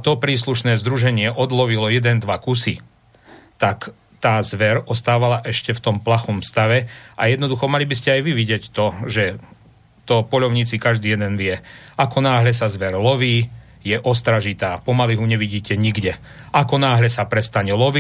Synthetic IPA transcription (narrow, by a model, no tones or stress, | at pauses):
at̪ɔpɾiːsluʃnɛːzd̪ɾuʒɛɲɪɛʔɔd̪lɔʋilɔjɛd̪ɛnd̪ʋakusi | t̪ak | t̪aːzʋɛɾɔst̪aːʋalaʔɛʃcɛft̪ɔmplaxɔmst̪aʋɛʔajɛd̪nɔd̪uxɔmalibiscɛajʋiʋiɟɪɛct̪ɔʒɛ | t̪ɔpɔʎɔʊɲiːt͡sikaʒd̪iːjɛd̪ɛnʋɪɛakɔnaːɦʎɛs̬azʋɛɾlɔʋiː | jɛʔɔst̪ɾaʒit̪aːpɔmaliɦuɲɛʋiɟiːcɛɲiɡɟɛ | ʔakɔnaːɦʎɛsapɾɛst̪aɲɛlɔʋi